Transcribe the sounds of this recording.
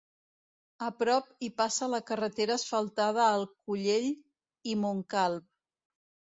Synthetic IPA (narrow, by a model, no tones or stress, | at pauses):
əpɾɔpipasələkərət̪eɾəːsfəlˠt̪að̞əːlˠkuʎeʎ | imuŋkalˠp̚